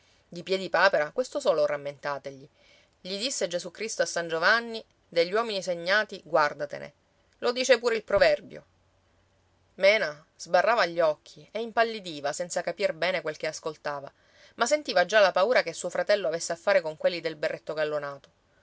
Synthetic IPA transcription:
d̪ipjɛd̪ipaːpeɾakwest̪osɔːloramːent̪aːt̪eʎi | ʎid̪isːed͡ʒezukɾist̪oasːand͡ʒovanːi | d̪eʎːwɔːminiseɲːaːt̪iɡward̪at̪ḛnḛ | lod̪iːt͡ʃepuːɾeilpɾovɛrbjo̰ | mɛːna | z̥barːaːvaʎːɔkʰːieimpalːid̪iːvasɛnt̪sakapirbɛːnekwelk̟easkolt̪aːva̰ | masːent̪iːvad͡ʒalapauːɾakesːuːofɾat̪ɛlːoavesːeafːaːɾekoŋkwelːid̪elberːet̪ːoɡalːonaːt̪o

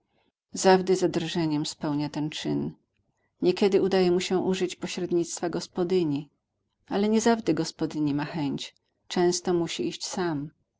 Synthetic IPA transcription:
zavd̪ɘzad̪ɾʐɛɲɛmspɛwɲat̪ɛnt͡ʂɘn | ɲɛkʲɛd̪ɘud̪ajɛmuɕɛʔuʐɘt͡ɕpɔɕɾɛd̪ɲit̪st̪faɡɔspɔd̪ɘɲi | alɛɲɛzavd̪ɛɡɔspɔd̪ɘɲimaxɛɲt͡ɕ | t͡ʂɛ̃w̃st̪ɔmuɕiiɕt͡ɕsam

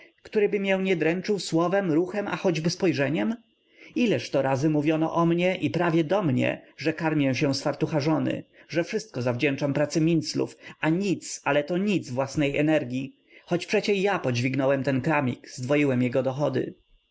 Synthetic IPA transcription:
kt̪uɾɘbɘmʲjɛwɲɛd̪ɾɛnt͡ʂɘwswɔvɛmɾuxɛma̰xɔd͡ʑbɘspɔjʐɛɲɛm | ilɛʂt̪ɔɾazɘmuvʲjɔnɔ̰ʔɔmɲɛʔipɾavʲjɛd̪ɔmɲɛ̰ʐɛkaɾmʲjɛw̃ɕɛ̃sfaɾt̪uxaʐɔnɘ̰ʐɛfʂɘst̪̚kɔzavd͡ʑɛnt͡ʂampɾat̪sɘmʲint̪slṵfaɲit̪salɛt̪ɔɲid̪zvwasnɛjʔɛnɛɾɡʲi | xɔt͡ɕpʂɛt͡ɕɛjapɔd͡ʑvʲiɡnɔwɛmt̪ɛnkɾamʲikzd̪vɔjiwɛmjɛɡɔd̪ɔxɔd̪ɘ̰

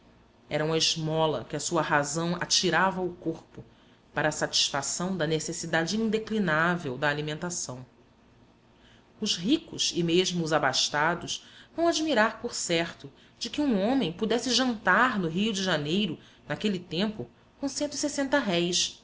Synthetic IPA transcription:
ɛɾɐũmɐɪzmɔlɐ̰kɪɐsuɐhazɐ̃w̃a̰t͡ʃiɾavɐʊkoɾpʊ | paɾɐːsat͡ʃi̥sfasɐ̃w̃d̪ɐnesesid̪ad͡ʒɪĩd̪eklinavewd̪ɐːlimẽnt̪asɐ̃w̃ | ʊʃɦikʊʃɪmeʒmʊːzabaʃt̪ad̪ʊʃvɐ̃w̃ad͡ʒimiɾaɾpoɾsɛɾt̪ʊ | d͡ʒɪkɪũõmẽj̃pud̪ɛsɪʒɐ̃nt̪aɾnʊɦijʊd͡ʒɪʒanejɾʊ | nakelit̪ẽmpʊ | kõsẽnt̪isesẽnt̪ɐɦɛjs

